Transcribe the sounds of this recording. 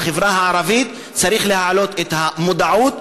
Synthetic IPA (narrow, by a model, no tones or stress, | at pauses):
χevʁahaʕaɾavit̪ | t͡saʁiχlehaʕalo̞t̪et̪hamod̪aʕut̪̚